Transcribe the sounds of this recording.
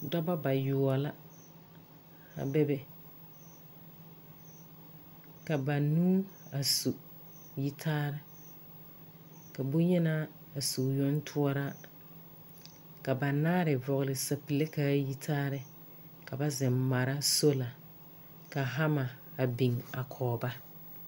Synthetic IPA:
dɔ˦ba˦ba˨jʊ˨ɔ˨la˦ | a̰˨bɛ˦bɛ˨ | ka˨ba˨nuː˦a˨su˨ | ji˦tʰaː˦ɾɪ˦ | ka˨bʊ˦ɲɛ˦naː˦˨ | su˨jɔ˦n˦tʰʊ˦ɔ˦ɾa˦ | ka˨ba˨naː˦ɾɪ˨vɔ˨ɣlɪ˨sa˨pi˨le˦kaː˦ji˦tʰaː˦ɾɪ˦ | ka˨ba˦zɪ˨mma˨ɾa˦so˦la˨ | ka˨ɦa˦ma˨a˨bi˨ŋa˨kʰɔː˨ba˦

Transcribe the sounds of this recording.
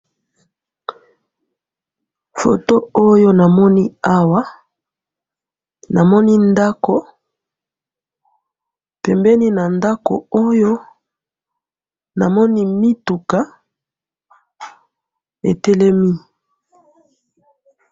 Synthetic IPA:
fo˨to˦o˦jo˦na˨mɔ˦ni˦a˦wa˦ | na˨mɔ˦ni˦nda˦ko˨ | pɛ˨mbɛ˦ni˦na˨nda˦ko̰˨o˦jo˦ | na˨mɔ˦ni˦mi˦tu˨ka˦ | ḛ˨tɛ˦lɛ˦mi˦

